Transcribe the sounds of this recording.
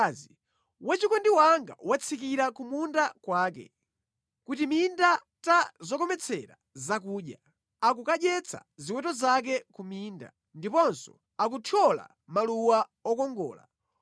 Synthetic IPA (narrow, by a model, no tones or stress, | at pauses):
zi | wat͡ʃikɔndiwaŋɡa̰wat͡sʰikiɾakumundakwaːkɛ̰ | kutiminda | tazɔkɔmɛt͡sʰɛɾa̰ | zakuːɗja | ak̬ukaɗjɛt͡sʰa̰ziwɛtɔzak̬ɛkumiːnda̰ | ndipɔnsɔ̰ | ak̬utʰɔla̰ | maluwaɔkɔŋɡɔ̰ːla̰